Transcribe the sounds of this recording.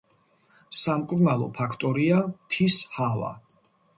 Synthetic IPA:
samkʼuɾnalˠɔ̰pʰakʰt̪ʼɔɾiat̪ʰishava̰

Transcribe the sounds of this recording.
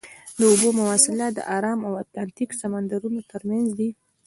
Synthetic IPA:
d̪əobomʊwɑsɪlad̪ə̰ʔɑɾɑmawat̪lɑnt̪iksamand̪aɾunot̪əɾmanzd̪i

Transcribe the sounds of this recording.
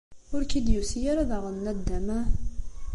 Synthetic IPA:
ʊɾkid̪jusijaɾaðaʁənːæd̪ːæmæ

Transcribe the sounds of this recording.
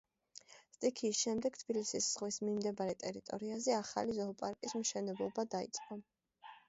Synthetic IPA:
st̪ʼikʰiːsʃɛmd̪ɛkt̪ʰb̥ilisisz̥ʁwismimd̪ɛbaɾɛt̪ʼɛɾit̪ʼɔ̰ɾiazɛaχa̰lizɔːpʼaɾkʼismʃɛnɛblˠɔbad̪aḭt̪sʼqʼɔ

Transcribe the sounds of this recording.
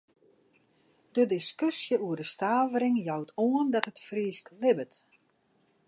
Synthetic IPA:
d̥ədiskøsjəuərdəstaːvəɾɪŋjɔwtʰoəndɔtətfriəsklɪbət

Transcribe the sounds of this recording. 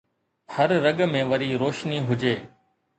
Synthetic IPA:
həɾːəɠmẽːʋəɾiːɾoːʃniːɦʊd͡ʒeː

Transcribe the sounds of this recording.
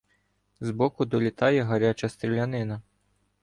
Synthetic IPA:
zbɔkʊd̪ɔlʲit̪ɑjɛɦɐɾʲat͡ʃɐst̪ɾʲɪlʲanɪnɐ

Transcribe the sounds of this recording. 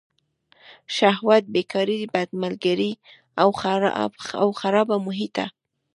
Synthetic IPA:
ʃahwat̪̚bekʰɑɾid̪bad̪malɡaɾi | aw | awxaɾɑbamʊɦit̪a̰

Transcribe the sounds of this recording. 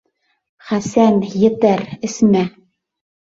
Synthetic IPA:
χæsænjɘ̆t̪æɾɘ̆smæ

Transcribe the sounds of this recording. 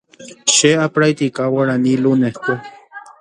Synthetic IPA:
ʃeapɾajt̪ikawaɽanilunehko

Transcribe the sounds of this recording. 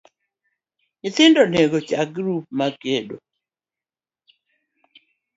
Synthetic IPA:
ɪt̪ɪndɔneɡot͡ʃaɡɾup̚makedo̰

